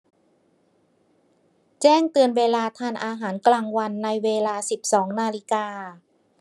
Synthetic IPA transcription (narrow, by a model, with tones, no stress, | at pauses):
t͡ɕɛː˥˩ŋt̪ɯ˧ənweː˧laː˧t̪ʰaː˧nʔaː˧ɦaː˩˦nklaː˧ŋwa˧nːa˧jweː˧laː˧si˨˩p̚sɔː˩˦ŋnaː˧li˧kaː˧